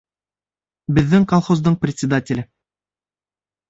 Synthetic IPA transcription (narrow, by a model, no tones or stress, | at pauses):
bɘ̆ðːɘŋkolˠχozd̪ɤɴprʲɪt̪sʲɪd̪atʲɪlʲɘ